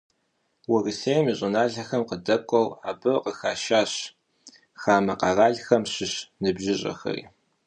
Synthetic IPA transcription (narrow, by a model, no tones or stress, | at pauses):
wɐrɨseːjmiɕʼɪnaːɮɐxɐmqədɐkʷʼɔwaːbɨqəxaːʃaːɕ | xaːmɐqɑraːɮxɐmɕɪɕnɨbʒɪɕʼɐ̰xɐ̰rḭː